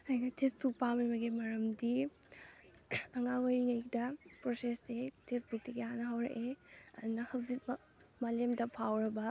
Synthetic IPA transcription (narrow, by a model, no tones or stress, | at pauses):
ɐjnɐtʰesbuk̚pamɐjmɐɡimɐɾɐmdi | ɐŋaŋojɾiŋɐjkdɐpɾosestetʰesbuk̚tiɡehanɐɦɐwɾɐ̰ʔeɐ̰dunɐhɐwzit̚mɐ | malemdɐpʰawɾɐbɐ